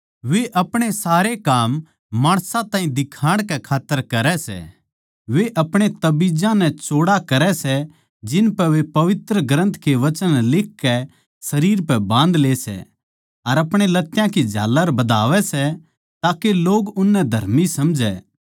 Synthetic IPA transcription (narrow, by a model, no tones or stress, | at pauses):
ʋeʔɐpɽ̃esaːɾekaːmː | aːɽ̃sãt̪ãːĩd̪ɪkʰaːɽ̃kɛkʰaːt̪ːəɾkɐɾɛsɛ̰ | ʋeʔɐpɽ̃et̪ɐbid͡ʒãnɛ̃t͡ʃoːɽakɐɾɛsɛ | d͡ʒɪnpɛʋepɐʋɪt̪ɾəɡɾə̃nt̪keʋɐt͡ʃənlɪkʰːɛ | sɐɾiːɾpɛbãːnd̪leːsɛ̰ | ɐɾɐpɽ̃elɐt̪ːjãkid͡ʒʱa̰ːlːəɾbɐd̪aːʋɛsɛ | t̪aːkeloːɡʊnːɛd̪ʱɐɾmisɐmd͡ʒɛː